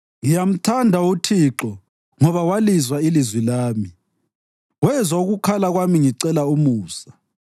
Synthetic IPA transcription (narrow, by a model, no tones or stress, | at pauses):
ŋijam̩tʰandʱautʰiǁɔ | ŋɔβawalizwailizwilaːmi | wɛzwauɣukʰalaɣwamiŋiǀɛlaumuːsḁ